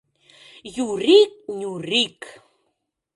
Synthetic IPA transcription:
juɾik̚ɲuɾik

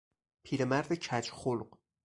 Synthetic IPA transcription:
pʰiːɾemæɾd̪ecʰæt͡ʃχolq

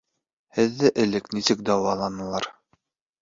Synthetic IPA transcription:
hɘ̆ðːɘʔɘ̆lɘknisɘk̚d̪ɑwɑlˠɑnɤ̆lˠɑɾ

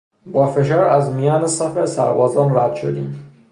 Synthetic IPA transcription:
bɒːfe̞ʃ̬ɒːɾæzmijɒːnesæfesæ̰ɾbɒːzɒːnɾæd̪̥ʃo̰d̪ḭːm

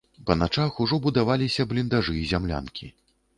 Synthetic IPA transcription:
pɐnat͡ʂaxuʐɔbud̪avalʲisʲɐblʲind̪aʐɨːzʲamlʲa̰nkʲi

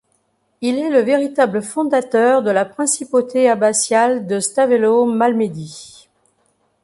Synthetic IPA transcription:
ilɛləveʁit̪abləfɔ̃d̪at̪œʁd̪əlapχɛ̃sipot̪ʰeabasjald̪əst̪avelomalmed̪i

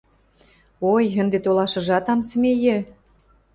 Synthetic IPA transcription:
ojə̆nd̪et̪olɑʃɤ̆ʒɑt̪ɑmsmejɘ̆

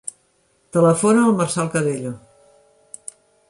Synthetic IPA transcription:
t̪ələfonaːlˠməɾsalˠkəðeʎo

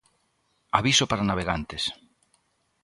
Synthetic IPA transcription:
aβisopaɾanaβ̞eɣant̪es

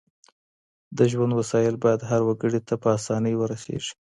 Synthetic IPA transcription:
d̪əʒwand̪wasɑjɪlbɑjad̪ɦaɾwaɡəɽit̪apəasɑnəjwəɾasḛʐi̥

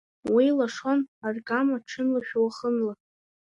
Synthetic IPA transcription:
wijlaʂonarɡʼamaʈ͡ʂʰɨnlaʃᶣwaχənla

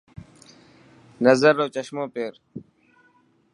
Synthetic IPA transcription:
nəzəɾːoːt͡ʃəʃmõːpeːɾ

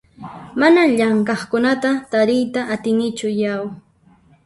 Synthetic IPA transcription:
manaʎaŋkɑχkʊnat̪at̪aɾɪjt̪aʔat̪ɪnɪt͡ʃʊjaw

